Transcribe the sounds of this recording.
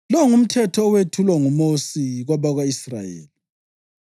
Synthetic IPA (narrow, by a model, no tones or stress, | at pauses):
lɔŋum̩tʰɛtʰɔːwetʰulwaŋumosiɣaβaɣwaisra̰jḛːli